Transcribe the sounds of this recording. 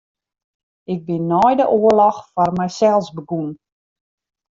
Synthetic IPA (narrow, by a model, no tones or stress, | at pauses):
ɪɡ̚bɪnːɔjdəʔoəlɔxfɔrmɛjsɛlˠsbəɡun